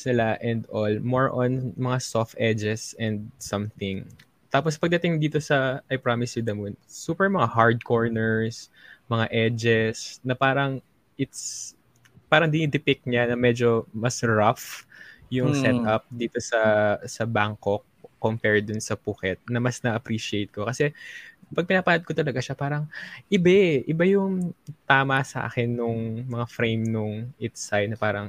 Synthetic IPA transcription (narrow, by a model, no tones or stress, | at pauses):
snɪlaʔɛnd̪olmoɹʔɔnmɐŋasoft̪ʔɛd͡ʒɛsɛnd̪̚sɐmθɪŋ | t̪aːpospɐɡ̚d̪ɐt̪ɪŋd̪iːt̪o̞sɐʔɐjpɹamɪsjʊd̪ɐmʊnsuːpɛɹmɐŋahaɹd̪̚koɹnɛɹsmɐŋaʔɛd͡ʒɛsnɐpaːɾɐŋ | ʔɪt̪s | paːɾɐŋd̪ɪnid̪ɪpɪk̚ɲanɐmɛd͡ʒo̞mɐsɹafjʊŋsɛt̪ʔɐp̚d̪iːt̪o̞sɐsɐbaŋkok̚ː | ompɛɹd̪ʊnsɐpukɛt̪̚nɐmɐsnɐʔɐpɾiːʃɪejt̪̚kokɐsɛpɐɡ̚pɪnaːpanɐd̪̚kot̪ɐlɐɡaʃapaːɾɐŋʔɪbɛʔɪbajʊŋt̪aːmɐsɐʔa̰ːkɛnːʊŋmɐŋafɹejmnʊŋʔɪt̪saj̪nɐpaːɾɐŋ